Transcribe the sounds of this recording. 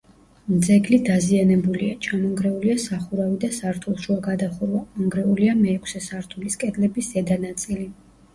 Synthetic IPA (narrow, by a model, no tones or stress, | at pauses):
md̪zɛɡlid̪azianɛbuliat͡ʃʰanɔŋɡɾɛuliasaχuɾavid̪asaɾt̪ʰulˠʃuaɡad̪aχuɾwaɔŋɡɾɛuliamɛːkʰsɛsaɾt̪ʰuliskʼɛd̪lɛbisz̥ɛd̪anat̪sʼili